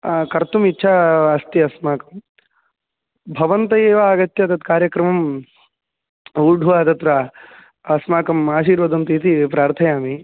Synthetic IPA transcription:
kɐɾt̪umitːʃʰaːɐst̪iɐsmaːkɐm | bʱɐʋɐnt̪ɐjeːʋɐaːɡɐt̪jɐt̪ɐt̪kaːɾjɐkɾɐmɐm | uːɾɖʱuʋaːd̪ɐt̪ɾɐ | ɐsmaːkɐmaːʃiːɾʋɐd̪ɐnt̪iːt̪ipɾaːɾt̪ʰɐjaːmi

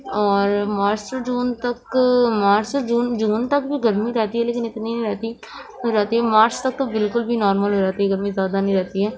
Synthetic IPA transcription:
ɔːɾmaːɾsd͡ʒuːnt̪əkmaːɾsd͡ʒuːnd͡ʒuːnt̪əkbʱiɡəɾmiɾɛːt̪iɦɛːleːkɪnɪt̪niñːɾɛːt̪i | ɦoːd͡ʒaːt̪iɦɛːmaːɾst̪ɐk̚t̪əbɪlkʊlbʱinɔːɾməlɦoːd͡ʒaːt̪iɦɛːɡəɾmĩzjaːd̪anẽĩɾɛːt̪iɦɛː

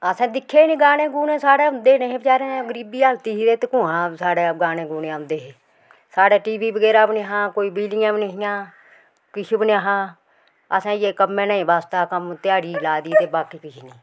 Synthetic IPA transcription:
əsãːd̪ɪkʰːeːnẽːɡaːnẽːɡuːnẽːsaːɽeːʊ̃nd̪eːneɦẽːbət͡ʃaːɾẽːɡəɾiːbiːəlt̪iːɦiɾeːt̪ekʊ̃ːãːsaːɽeːɡaːneːɡuːnẽʊ̃nd̪eːɦeː | saːɽeːʈiːʋiːbəɡɛːɾaːbneɦãːkoːiːbiːlɪːãːbneɦɪjãː | kɪʃibnaɦãː | əsãːjeːkəmːẽːnaːĩːʋaːst̪aːkəmt̪ɪjaːɽiːlaːd̪iːt̪eːbaːkiːkɪʃʰiːniː

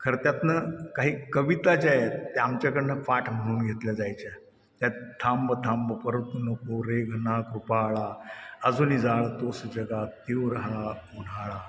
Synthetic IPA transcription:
kʰəɾt̪jat̪nəkaɦiːkəʋit̪at͡ɕajet̪ːeamt͡ɕjakəɽnəfaʈʰm̤əɽ̃uːnɡʱet̪ljad͡zajt͡ɕa | t̪jat̪ʰambət̪ʰambəpəɾət̪ːunəkoɾeɡʱnakɾupaɭaəd͡zunid͡zaɭat̪osəd͡ʑəɡat̪iʋɾɦaun̤aɭa

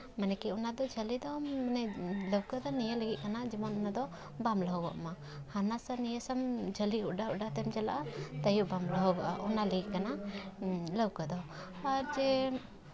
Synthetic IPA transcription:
manɛkɛunad̪ɔd͡ʒəlid̪ɔanɛləwkəd̪ɔnijələɡit̪ʔ̪̚kanad͡ʒimɔnɔnad̪ɔ | bamlaɦɔbə̰ʔma | hanasanijəsamd͡ʒəliuɖauɖat̪ɛmd͡ʒala̰ʔat̪ajuʔbamləɦɔbəʔaʔunaləɡiʔ̪̚kana | ləwkəd̪ɔ | aɾd͡ʒɛ

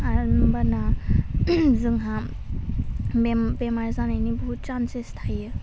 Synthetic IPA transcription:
aɾnbana | zɯŋɦa | embemaɾzanajnibut͡ʃansestʰajɯ

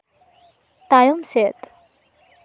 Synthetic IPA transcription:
t̪ajomset̪

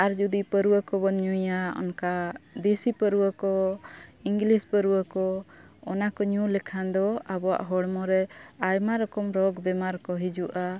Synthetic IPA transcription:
aɾd͡ʒud̪ipəɾuwəkɔbɔɲujaɔ̰nkad̪esipəɾuwəkɔ | iŋɡlispəɾuwəkɔ | ɔnakɔɲulɛkʰand̪ɔabɔwa̰ʔɦɔɽmɔɾɛajmaɾɔkɔmɾɔɡbɛmaɾkɔɦid͡ʒuʔa

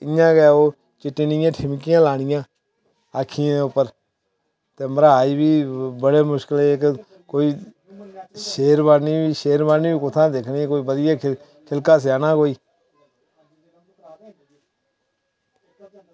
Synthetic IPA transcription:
ɪjãːkɛoː | t͡ʃɪʈːiːnɪjãːʈʰɪmkɪjãːlaːɽ̃ɪjãː | aːkʰɪjãːeːʊpːəɾ | t̪eːməɾaːiːbiːbəɽeːmʊʃkəleːk | koːiː | ʃeːɾbaniːbiːʃeːɾbaːniːbiːkʊt̪ʰãːd̪ekʰniːkoːiːbəd̪ɪjaː | kʰɪlkaːs̬aːnaːkoːiː

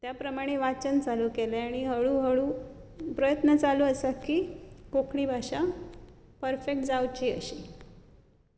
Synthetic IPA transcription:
t̪japɾəmaɽ̃eʋat͡ɕənt͡saluːkelaaɽ̃iɦəɭuːɦəɭuːpɾəjət̪nət͡saluəsakiːkokʰɳ̃ibʱaɕa | pəɾfek̚ʈd͡zawt͡ɕiːə̰ɕi

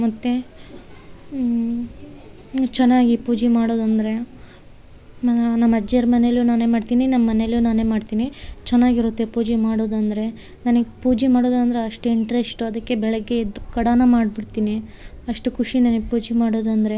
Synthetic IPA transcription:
mɐt̪ːe̞ | t͡ʃɛnːaːɡipuːd͡ʒimaːɽoːd̪ɐnd̪ɐɾe̞ | mɐnɐmːɐd͡ʒɐɾmɐneljuːnaːne̞ːmaːɖt̪iːninɐmːɐːɐneljunaːne̞ːmaːɖt̪iːnit͡ʃɛnːaːɡiɾut̪ːepuːd͡ʒimaːɽoːd̪ɐnd̪ɐɾe̞ | naːnɐɡepuːd͡ʒimaːɽoːd̪ɐnd̪ɐɾeɐʂʈuiɳʈɐɾesʈuɐd̪ɐkːe̞bɛɭɐɡːe̞id̪ːukɐɽaːnɐmaːɖbiɽt̪iːni | ɐʂʈukʰuʂinaːnɐɡepuːd͡ʒimaːɽo̞ːd̪ɐnd̪ɐɾe̞

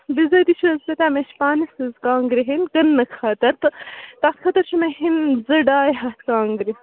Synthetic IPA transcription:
bizɐt̪iʃʰɐzbɐt̪aːmeʃpaːnisɨzkaːŋɡɾiɦenkɐnːɐkʰɐt̪ɐɾt̪ɨt̪askʰɐt̪ɐɾt͡ʃʰumeɦinzɐɖaːjɦɐt̪ʰkaːŋɡɾi

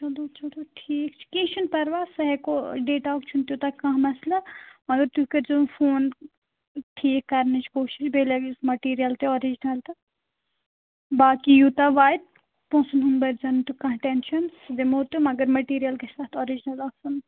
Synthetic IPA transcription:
t͡ʃɐloːt͡ʃɐloʈʰiːk̚t͡ʃʰi̥kĩːt͡ʃʰunpɐɾʋaːsɐɦekoɖeːʈaokt͡ʃʰunt̪jut̪akãɦmɐslamɐɡɐɾt̪ukɐɾd͡ʒofoːn | ʈʰiːkːɐɾnɐt͡ʃʰkoːʃiʃbeːlɐɡusmɐʈiːɾijɐlt̪eɔɾid͡ʒnɐlt̪ɐ | baːkijuːt̪aʋaːjd̪̚ | põːsunɦunbɐɾd͡ʒɐnt̪ukɐ̃ʈɛnʃɐnsd̪emoːɾt̪umɐɡəɾmɐʈiːɾijɐlkesaːt̪ʰɔːɾid͡ʒnɐlaːsɐn

